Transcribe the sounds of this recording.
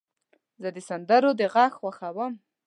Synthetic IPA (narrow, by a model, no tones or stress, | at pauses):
zəd̪əsand̪əɾod̪əɣɑxχwaxawəm